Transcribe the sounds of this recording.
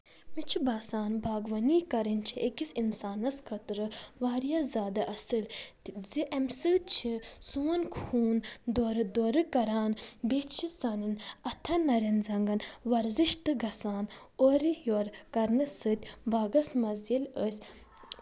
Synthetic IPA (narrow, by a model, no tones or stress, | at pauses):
mit͡ʃʰibaːsaːnbaːɡʋɐniːkɐɾint͡ʃʰiʔekisinsaːnɐskʰət̪ɾɨʋaːɾijɐzaːd̪ɐʔɐsɨlʲt̪iziʔɐmsɨt̪̚t͡ʃʰisunkʰhuːnd̪oːɾɨd̪oːɾɨkɐɾaːnbet͡ʃʰisanɨnɐt̪ʰɐnːɐɾinzɐŋɡɐnʋɐɾzɨʃt̪ɨɡɐsaːnoɾijoːɾkɐɾnɨsɨt̪ʲbaːɡɐsmɐzjilʲəsʲ